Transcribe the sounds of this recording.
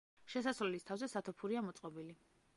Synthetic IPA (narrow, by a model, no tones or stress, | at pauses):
ʃɛsasɾɛlist̪ʰavzɛsat̪ʰɔpʰuɾiamɔt̪sʼqʼɔbili